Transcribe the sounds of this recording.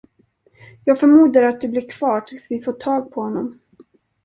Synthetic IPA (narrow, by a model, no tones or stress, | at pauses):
jɑːɡfœɾmuːd̪aɾat̪̚d̪ɵblɪɾkʰv̥ɑːʈʰɪlsvɪfoːʈʰɑːɡ̚pʰɔhɔnːɔm